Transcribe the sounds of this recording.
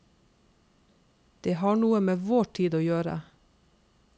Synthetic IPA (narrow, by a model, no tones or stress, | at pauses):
d̪̥eːhɑːɳuːəmeːʋoːʈʰiːd̪oːjøːɾə̰